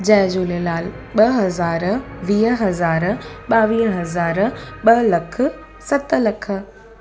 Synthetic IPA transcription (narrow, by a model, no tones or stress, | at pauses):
d͡ʑɐ̃ɦɪ̃d͡ʑuːlelaːl | ɓɐɦɐzaːɾʋiːɦɐzaːɾɓaːʋiːɦɐzaːɾɓɐlɐkʰə | sɐt̪lɐkʰə̆